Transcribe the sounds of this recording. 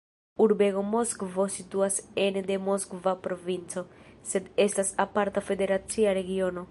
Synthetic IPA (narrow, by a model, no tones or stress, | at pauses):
uɾbeɡo̞moskvosit̪uasend̪e̞moskvapɾo̞vint͡so̞se̞d̪e̞st̪asapaɾt̪afe̞d̪e̞ɾat͡siaɾe̞ɡio̞no